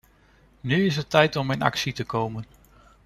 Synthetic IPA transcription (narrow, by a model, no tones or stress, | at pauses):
nyɪs̬ətɛjtɔmɪnɑ̰ksitəkowmən